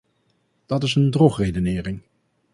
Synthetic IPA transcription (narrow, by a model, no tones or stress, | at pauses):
d̥ɑtɪsəndrɔχrejdənɪːrɪŋ